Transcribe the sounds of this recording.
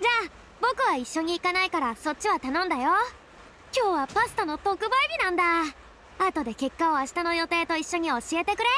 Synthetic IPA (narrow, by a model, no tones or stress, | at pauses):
d͡ʑaː | bo̞kɯ̟β̞aiɕːo̞ɲ̟iːkanaikaɾaso̞tt͡ɕːiβat̪anõ̞nd̪ajo̞ | kʲo̞ːβapasɨ̥t̪ono̞t̪o̞kɯ̟baibʲinãnd̪a | at̪o̞d̪e̞ke̞kːao̞aɕi̥t̪ano̞jo̞t̪e̞ːt̪o̞iɕːo̞ɲ̟io̞ɕie̞t̪e̞kɯ̟ɾe̞